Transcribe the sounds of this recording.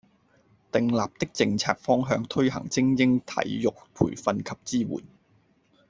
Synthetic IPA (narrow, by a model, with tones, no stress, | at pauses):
t̪ɪ˧ŋlaː˨p̚t̪ɪ˥k̚t͡sɪ˧ŋt͡sʰa̰ː˧k̚fɔː˥ŋɦœː˧ŋt̪ʰɵ˥ɥɦɐ̰˨˩ŋt͡sɪ˥ŋjɪ˥ŋt̪ʰɐ̰˨˥jjʊ˨k̚pʰṵː˨˩jfɐ˧nkʰɐ˨p̚t͡siː˥wṵː˨˩n